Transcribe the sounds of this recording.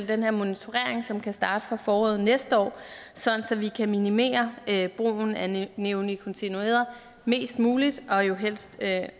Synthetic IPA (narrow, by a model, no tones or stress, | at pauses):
l̰d̥enheɐ̰mo̝nit͡sʰo̝ʁeɐ̰eŋsɒ̽mkʰæsd̥ɑ̈ːd̥əfɑ̈fɒːɔ̰ːð̞̩ˠnesd̥əɒ̰ː | sɒ̽nn̩sɒ̽ʋikʰæminime̝̰ːɐb̥ʁṵːn̩æneʊnikʰɔ̽nt͡sʰinue̝ð̰ˠɐ | me̝̰ːsd̥muːlid̥ɒ̽jo̝ɦel̰sd̥ø